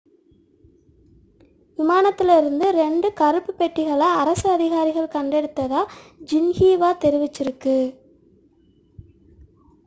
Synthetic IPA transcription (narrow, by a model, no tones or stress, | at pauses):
ʋɪmaːnɐt̪ːɪlɪɾɯnd̪ɯɾɛɳɖɯkɐɾɯpːɯpɛʈːɪɣɐɭaːɐɾɐsɯɐðɪɣaːɾɪɣɐɭkɐɳɖɛɽɯt̪ːɐðaːd͡ʒɪnɣiːʋaːt̪ɛɾɪʋɪt͡ʃːɪɾɯkːɯ